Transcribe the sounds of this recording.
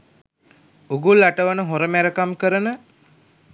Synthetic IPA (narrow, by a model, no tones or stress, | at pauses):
uɡulːaʈəʋənəɦoɾəmæɾəkamkəɾənə